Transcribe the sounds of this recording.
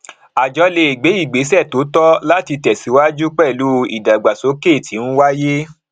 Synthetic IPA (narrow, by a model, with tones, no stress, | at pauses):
a˨d͡ʒɔ˧le˧˨ɡ͡be˨˦i˦˨ɡ͡be˨˦sɛ˦˨to˨˦tɔ˦la˦ti˧tɛ˨si˨˦wa˦d͡ʒu˦k͡pɛ˦˨lu˦ḭ˨da˨ɡ͡ba˨so˨˦ke˦˨ti˨˦ñ̩˦wa˦je˦